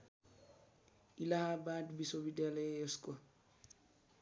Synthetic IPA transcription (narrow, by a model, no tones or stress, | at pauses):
ilahabaːdbisobidɛlɛɛskwa